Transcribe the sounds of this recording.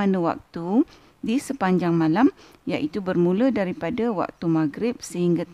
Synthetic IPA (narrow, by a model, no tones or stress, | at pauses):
anə̃wa̰k̚t̪u | disəpaɲd͡ʒaŋmãlam | jaʔit̪ubərmũlədaɾipadawa̰k̚t̪umaɡɾɪp̚səhiŋɡa